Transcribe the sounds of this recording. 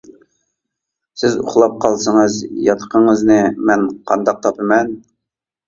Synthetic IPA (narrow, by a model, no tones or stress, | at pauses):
sɪzʊ̰χlˠɑp̚qʰɑlˠsəɴəzjɑt̪ʰə̥qəɴəznɨmɛnqʰɑnd̪ɑq̚t̪ʰɑpɨmɛn